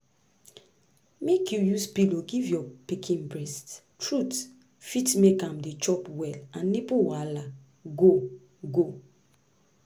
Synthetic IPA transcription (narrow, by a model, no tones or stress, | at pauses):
mekʰjujuspiloɡivjɔpikʰĩnbɹɛst | tɹut | fitmekãmdet͡ʃɔpwɛlãnːipuwala | ɡo | ɡo